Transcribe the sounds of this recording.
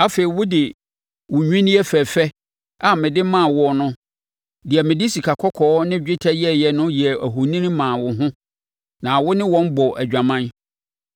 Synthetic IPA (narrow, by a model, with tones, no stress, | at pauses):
a˦fe˨i˨wʊ˦dɪ˨ | wʊ̃˨ɲᶣĩ˦nɪ̃˦ɛ˦fɛ˨fɛ˦ | a˨mɪ̃˨dɪ˦mã˦˨wʊ˨ɔ˨nʊ̃˦ | dɪ˨ɛ˨mɪ̃˨dɪ˦si˨kʰa˨kʰɔ˦kʰɔː˨˦nɪ̃˦d͡ʑᶣɪ˦tʰɛ˦jɛ˦jɛ˨nʊ̃˦jɛ˨æ˨ɦu˨nĩ˦ñ˦mãː˨wʊ˨ɦʊ̃˦ | nã˨wʊ˦nɪ̃˦wɔ̃˦n˦bɔ˨ʔæ˨d͡ʑᶣã˨mã˦n